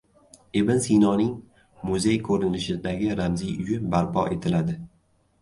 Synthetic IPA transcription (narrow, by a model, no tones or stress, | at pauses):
ebɪnsijnɒnɪŋ | mʊzejkʰɵɾɪnnɪʃɪd̪aɡʲɪɾamzijʊjɪbaɾpʰɒ̰ʔe̞t̪ʰɪlad̪ɪ